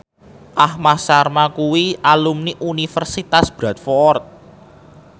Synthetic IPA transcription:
ʔahmasarmakuwiʔalumniʔunifərsit̪asb̥ɾat̪̚fɔrt̪̚

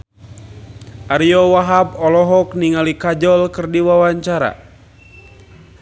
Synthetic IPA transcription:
ʔaɾijɔwaɦapɔlɔɦɔk̚niŋalikad͡ʒɔlkɨrdiwawaɲt͡ʃaɾa̰

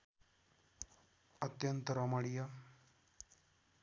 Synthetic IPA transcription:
ət̪jənt̪ɾamaɽija

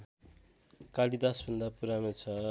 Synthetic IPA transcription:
kaɽid̪asbʱʌnd̪apuɾamot͡sʰʌ

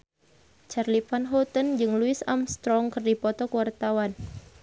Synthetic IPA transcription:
t͡ʃarlifanɦɔt̪ənd͡ʒɨŋluisamst̪ɾɔŋkɨrdipɔt̪ɔkuwart̪awan

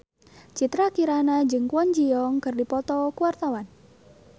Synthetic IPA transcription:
t͡ʃit̪ɾakiɾanad͡ʒɨŋkwɔɲd͡ʒiɔŋkɨrdipɔt̪ɔkuwart̪awan

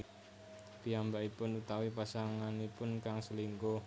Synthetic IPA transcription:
b̥iambaʔipʊnut̪awipasaŋanipʊnkaŋsəliŋko

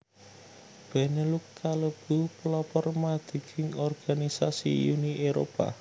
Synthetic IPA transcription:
b̥ɛnəlukːaləb̥ṳplɔpɔrmad̪̥i̤ɡ̥ɪŋɔrɡ̥anisasḭjuniʔeɾopa̰

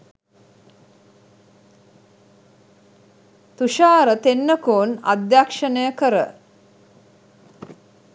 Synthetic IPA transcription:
t̪uʃaːɾət̪enːəkoːna̰d̪jakʂənəjəkəɾə̰

